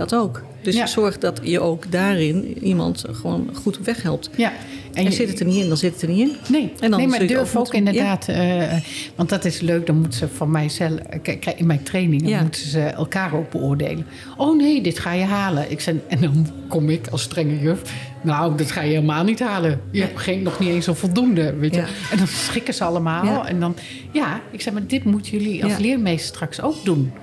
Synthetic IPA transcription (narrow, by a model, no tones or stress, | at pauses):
dɔtowk | d̥əsjasɔɹχdɑtjəʔowkdaːrɪnimɑ̰ntχəʋo̰ːnχutɔpʋɛχɦɛlˠp̚tja | ɛnzɪtətəniɪndɔnzɪtətəniɪnnejɛndnemmadɹfowkɪndəɹdaːtəʋɑntdɑtɪsløɥk̚dɔnmutəsəfɔnmɛjzɛlɛkɛɪnmɛjtrejnɪŋmutəzəɛ̰lˠkaːrowk̚b̥əʊːɹdḛjlən | ʔoːneːdɪtxaːjəɦaːləʔɪksɛɛndɔn | kɔmɪkɔstrɛŋəjøf | nawdɪtxaːjəheːlˠəmaːlˠnithaːlˠəjəɛpxɪnɔxniensofɔlˠdumdəʋeːjəɛndɔnsχɪkəzəɑlˠəmaːlˠɛ̰ndɔn | jaɪksɛmadɪtmutəjøliɔ̰lˠslɪəɹmejsstrɑksoːkdun